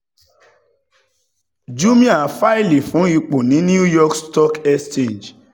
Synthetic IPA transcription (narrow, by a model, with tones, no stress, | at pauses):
d͡ʒu˦mĩ˦a˨fa˦i˦le˨fũ˨˦i˧k͡po˨nĩ˨˦nĩ˦u˦jɔ˦kstɔ˦kɛ˦st͡ʃẽ˦˨nd͡ʒ